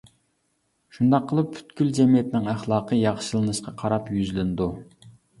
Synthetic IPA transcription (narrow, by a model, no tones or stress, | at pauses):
ʃund̪ɑqʰːəlˠɨpːʰy̥t̪kʲyld͡ʒɛmijɛt̪nɪŋæχlˠɑːqʰəjɑχʃɨlˠɨnɨʃqʰɑqʰɑɾɑpjyzlɪnd̪u